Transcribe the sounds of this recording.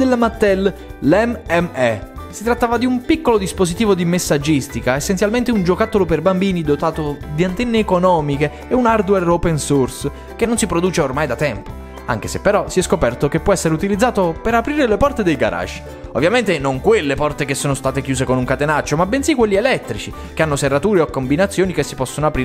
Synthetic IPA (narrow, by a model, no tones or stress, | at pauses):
d̪elːamat̪ːɛlːɛmɛmɛsit̪ɾat̪ːaːvad̪iumpikːolod̪ispozit̪iːvod̪imesːad͡ʒːist̪ikaesːensjalment̪eund͡ʒokat̪ːoloperbambiːnid̪ot̪aːt̪od̪iant̪ɛnːeːkonɔːmikeːunard̪wɛropɛnsurs | k̟enːonsipɾod̪uːt͡ʃeormajd̪at̪ɛmpo̥ | a̰ŋk̟esepːeɾɔsiɛskopɛrt̪ok̟epːwɔɛsːeɾeut̪ilid̪zːaːt̪opeɾapɾiːɾelepɔrt̪ed̪ejɡa̰ɾʔa̰ʃː | o̰vːjament̪enoŋkwelːepɔrt̪ekesːoːnost̪aːt̪ekjuːzekonuŋkat̪enat͡ʃːomabensikːwelːielɛt̪ːɾit͡ʃi | keanːoserːat̪uːɾeokːombinat̪sjoːnikesːi̥pɔsːonoapɾiː